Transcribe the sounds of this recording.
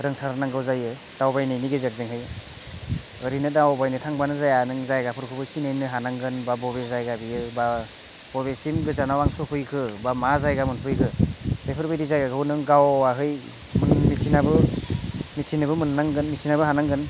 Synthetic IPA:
ɾɯŋtʰaɾnaŋɡɯwzajɯ | d̥awbajnɯjniɡezeɾzeŋɦɯj | ɯɾinɯdawbajnɯtʰaŋbanɯzajanɯŋzajɡapʰɯɾkʰubɯsinɯjnɯɦanaŋɡɯnbabɔbezajɡabijɯba | b̥ɔbesimɡɯzanawaŋsɔpʰɯjkʰɯbamazajɡamɯnpʰɯjkʰɯbepʰɯɾbɯjɾizajɡaɡɯwnɯŋɡawaɦɯj | mɯnmitsʰinabɯ | mitsʰinɯbɯmɯnnaŋɡɯnmitsʰinabɯɦanaŋɡɯn

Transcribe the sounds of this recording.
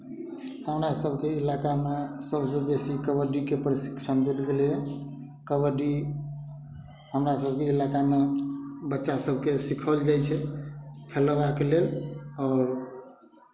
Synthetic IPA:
həmɾasəbʱkeilakamesəbsəbesikəbəɖikepɾisi̥kt͡ʃʰənd̪elɡeljɛ | kəbəɖi | ɦəmɾasəbʱkeilakamebətːʃasəbʱkesikʰəld͡ʒajt͡ʃʰɛpʰelbakelelɔːɾ

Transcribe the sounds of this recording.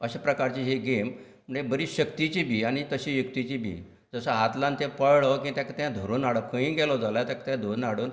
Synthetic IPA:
əɕapɾəkaɾt͡ɕiɦiɡem | m̤uɳebəɾiːɕəkt̪it͡ɕibʱiːañit̪əɕijukt̪it͡ɕibʱḭː | d͡zəsaɦat̪lãnt̪ẽpəɭɭɔkĩt̪jãkat̪jãd̪ʱoɾonaɽəkʰə̃ĩːɡɛlɔd͡zalajt̪akḁt̪jãd̪ʱonaɽuːn

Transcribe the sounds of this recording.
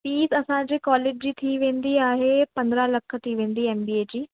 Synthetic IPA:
piːsəɐsãːd͡ʑiːkɔːleːd͡ʒd͡ʑiːt̪ʰiːʋẽːnd̪iːaːɦeːpɐ̃nd̪ɾãləkʰt̪ʰiːʋẽːnd̪iːɛːmbiːeːd͡ʑiː

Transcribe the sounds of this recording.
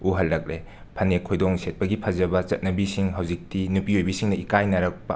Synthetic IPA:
uɦɐlːɐk̚le | pʰɐnekʰojdɔŋsʰet̚pɐɡipʰɐzɐbɐt͡ʃɐt̚nɐbisiŋɦɐwzik̚tinupiojbisiŋnɐikajnɐɾɐk̚pɐ̰

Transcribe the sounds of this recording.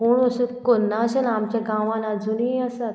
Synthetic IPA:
ɦoɳəɕəkonːaɕənamt͡ɕjaɡãʋãnad͡zuniəsat̪

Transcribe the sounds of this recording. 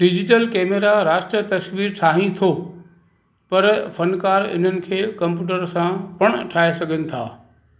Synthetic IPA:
ɖɪd͡ʑɪʈəlkeːmeɾaɾaːʃʈɾijət̪ɐsʋiːɾʈʰaːɦĩt̪ʰo | pɐɾfɐnkaːɾɪ̰n̤ənɪ̆kʰeːkɐ̃mpjuːʈ̬əɾsãpɐɽ̃ʈʰaːɦesɐɡʱənɪ̆t̪ʰa̰ː

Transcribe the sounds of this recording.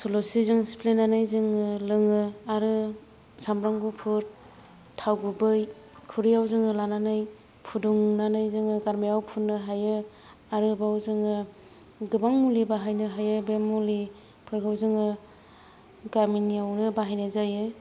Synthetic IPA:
solosizɯŋsi̥pʰlenanɯjzɯŋɯlɯŋɯaɾɯ | sambɾaŋɡupʰɯɾ | tʰawɡubɯj | kʰuɾijawzɯŋɯlananɯj | pʰuduŋnanɯjzɯŋɯɡaɾmijawpʰunːɯɦajɯ | aɾɯbawzɯŋɯ | ɡɯbaŋmulibaɦajnɯɦajɯbemːuli | pʰɯɾkʰawzɯŋɯ | ɡaɾminiawnɯbaɦajnɯzajɯ

